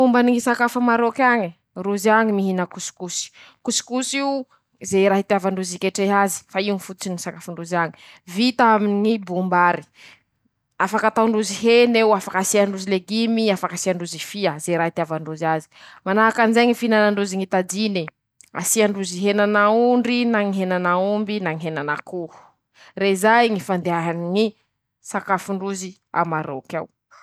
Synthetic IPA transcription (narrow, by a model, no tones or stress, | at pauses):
umbaniŋisakafəmaɾokaɲi | ruziaɲimiɦinəkusi̥kusi̥ | kusi̥kusiu | zejɾaɦit̪avaɳɖ͡ʐuzikeʈ͡ʂeɦazi̥faiunifut̪t͡sinisakafaɳɖ͡ʐuzaɲi̥ | vit̪aminŋibumbaɾi̥ | afakat̪awɳɖ͡ʐuziɦenewafakasiaɳɖ͡ʐuzileɡimiafakasiaɳɖ͡ʐuzifiəzeɾait̪eavaɳɖ͡ʐuzazi̥manaɦakanizeɲifinanaɳɖ͡ʐuziŋit̪ad͡ʒini | a̰siaɳɖ͡ʐuziɦenanauɳɖ͡ʐinaŋiɦenanaumbinaŋiɦenanakuh | reizajŋifand̪eaɦaniŋi | sakafuɳɖ͡ʐuzi | a̰maɾo̰kaw